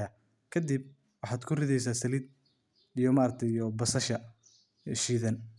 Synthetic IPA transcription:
a | kʰɐd̪ib̚ | wɑħɑːd̪kʰʊrɪðɛjs̬aːsɐlɪd̪̚ | ijɔmaːɾɐk̚t̪ʰɛijɔbɐsɐʃɐ | ʃiːðɐn

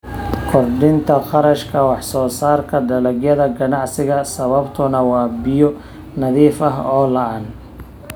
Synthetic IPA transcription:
kʰɔrɖɪnt̪ʰɐqɑɾɐʃkʰɐwɑħsɔːsaːrkʰɐdɐlɐɡjɐðɐɡɐnɑʕsɪɣɐsɐβɐbt̪ʰʊnɐwɑːbɪjɔ | nɐðiːfɐɦɔːlɐʔaːn

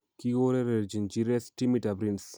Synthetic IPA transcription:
kiɡoɾeɾeɾd͡ʒind͡ʒiɾesʈimiʈabɾins

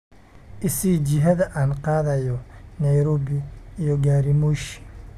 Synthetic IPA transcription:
ʔɪsiːd͡ʒɪɦɐðɐʔaːnqɑːðɐjɔnɐjɾɔːβɪijɔɡaːɾimuːʃ

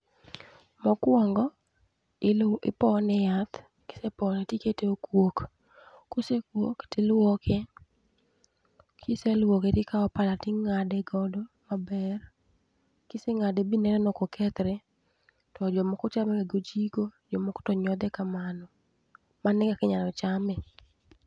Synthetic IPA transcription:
mɔkwɔŋɡɔ | ɪpɔnɛjat̪ | kɪ̥sepɔnɛtiketeokwok | kosekwoktɪlwokʰe | kʰiselwoketikaɔpalatɪŋadɛɡɔdɔmabɛr | kiseŋadebinɛɾɛnɔkokʰɛt̪ɾɛ | tɔd͡ʒɔmɔkɔt͡ʃamɛkeɡod͡ʒiɡod͡ʒɔmɔko̥tɔɲɔd̪ɛkamanɔ | manɪɡakɪɲalɔt͡ʃamɛ

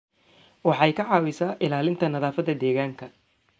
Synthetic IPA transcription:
wɑħɑɛjkʰɐʕɑːwɪsaːʔɪlaːlɪnt̪ʰɐnɐðaːfɐðɐd̪ɛːɣaːŋkʰɐ

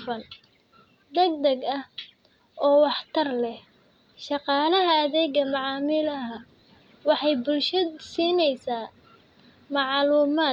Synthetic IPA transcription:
fɐn | d̪ɐɡ̚d̪ɐɡɐh | ʔɔːwɑħt̪ʰɐrlɛh | ʃɑqɑːlɐɦɐːðɛːɡɐmɑʕɑːmɪlɐɦɐ | wɑħɑjbʊlʃɐsiːnɛjsaː | mɑʕluːmaː

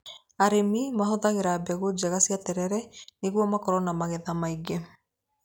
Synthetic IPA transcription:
aɾemimaɦɔðaɣeɾabɛɣod͡ʑaɣasiatɛɾɛɾɛneɣwɔmakɔɾɔnamaɣɛðamaiɡe

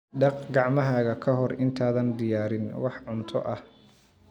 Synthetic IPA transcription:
ɖɑqɡɑʕmɐɦaːɣɐkʰɐɦɔrɪnt̪ʰaːðɐnd̪ɪjaːɾɪnwɑħʕʊnt̪ʰɔʔɐh

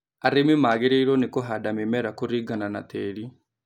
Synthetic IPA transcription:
aɾemimaɣeɾeiɾɔnekoɦadamemɛɾakoɾiɡanana̰t̪ɛːɾi

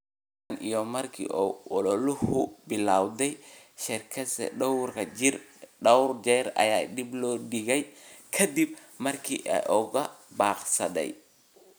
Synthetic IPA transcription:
ɐnʔijɔmɐrkʰḭːʔɔʔɔlɔlʊhʊbɪlaːwd̪ɛj | ʃɪrkʰɐsɛ̰ɖɐwrkʰɐd͡ʒɪrɖɐwrd͡ʒɛːɾɐ̰jaːd̪iblɔːɖɪɣɛjkʰɐd̪ib̚ | mɐrkʰḭːʔɛ̰ʔɔɣɐbaːqsɐ̰d̪ɛ̰j

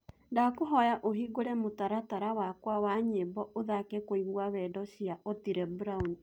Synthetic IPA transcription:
ndakoɦɔjaʔoɦiɡoɾɛmotaɾataɾawakwawaɲebɔʔoðakekoiɣwawɛdɔʃiaʔotiɾɛbuɾauni

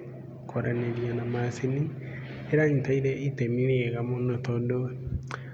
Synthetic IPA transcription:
kʰoɾaneɾjanamasini | eɾaɲitaiɾeʔitemiɾeeɣamonot̪odo

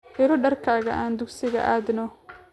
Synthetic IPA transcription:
ʔɪɾɔɖɐrkʰaːɣɐʔaːnd̪ʊɡsɪɣɐ̰ʔaːd̪nɔ

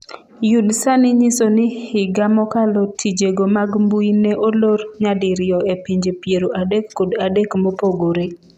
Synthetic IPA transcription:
judsanɪɲisonɪhɪɡamɔkalotʰid͡ʒeɡomaɡmbuineʔolorɲadɪɾɪjɔepiɲd͡ʒepjeɾoʔadekːodadekmɔpoɡoɾe

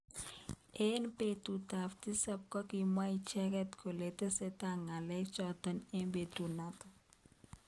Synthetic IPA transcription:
enpetutaftisap̚kɔkimait͡ʃɛkɛtkolet̪esetaŋalɛkt͡ʃɔt̪ənembetunat̪ɔ

